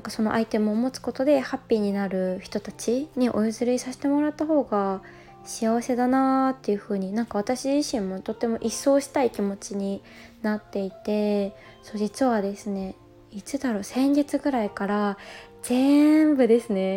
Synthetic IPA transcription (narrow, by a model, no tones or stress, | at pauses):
naŋkaso̞no̞ʔait̪e̞mɯ̟omo̞t͡sɨ̥ko̞t̪o̞d̪e̞hapʲːiːɲ̟inaɾɯ̟çi̥t̪o̞t̪at͡ɕiɲ̟iʔo̞izɨɾɯisaɕi̥t̪e̞mo̞ɾat̪ːaɦo̞ːɡa | ɕiaβ̞ase̞d̪anat̪ːe̞jɯ̟ɸɯ̟ːɲ̟inãŋkaβ̞at̪aɕiʑiɕĩmːo̞t̪o̞t̪ːe̞mo̞ʔisːo̞ːɕi̥t̪aikʲimo̞t͡ɕiɲ̟i | nat̪ːe̞it̪e̞ | so̞ːd͡ʑit͡sɨβad̪e̞sɨne̞ | it͡sɨd̪aɾo̞ːsẽ̞ɲ̟ɡit͡sɨɡɯ̟ɾaikaɾa | z̥e̞mbɯ̟d̪e̞sɨne̞